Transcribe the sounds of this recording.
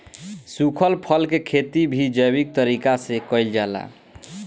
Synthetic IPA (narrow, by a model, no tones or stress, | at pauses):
sukʰəlpʰəlkekʰet̪ibʱid͡ʒəjbik̚t̪əɾikasekəjld͡ʒala̰